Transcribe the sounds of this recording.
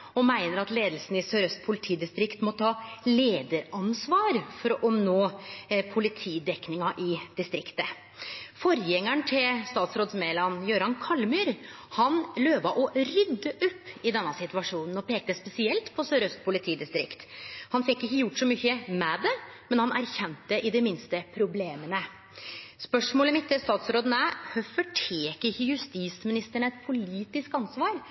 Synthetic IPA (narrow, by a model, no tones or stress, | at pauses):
ɔmæɪnəɾɑt̪leːd̪əl̩sn̩ɪsøːɾœst̪̚pʰʊlɪt̪ʰiːd̪ɪst̪ɾɪkt̪mɔt̪ʰɑːleːd̪əɾɑnsʋɑːɾfɔɾɔʔɔmnoːpʰʊlɪt̪ʰiːd̪ɛknɪŋɑʔɪd̪ɪst̪ɾɪkt̪ə | fɔɾjɛŋːəɳt̪ʰɪlst̪ɑːt̪sɾoːd̪smeːlɑnjøːɾɑnkʰɑlmyːɾhɑnløːʋɑʔɔɾʏd̪ːəʔʊpːɪd̪ɛnːəsɪt̪ʉʋɑʂuːnn̩ɔpʰeːk̚t̪əspɛsɪɛlt̪pʰɔsøːɾœst̪̚pʰʊlɪt̪ʰiːd̪ɪst̪ɾɪ̰kt̪hɑnfɪkːɪçːəjʊʈːsɔmʏçəmɛːd̪ɛmɛnhɑnæɾçɛnt̪ːəʔɪd̪ɛmɪnst̪əpʰɾʊbleːmənə | spœʂmoːləmɪt̪ːɪlst̪ɑːt̪sɾoːd̪ən̩æhœfɔʈʰeːkəɾɪçːəjʉst̪iːsmɪnɪst̪əɳəɛt̪pʰʊliːt̪ɪskɑnsʋɑːɾ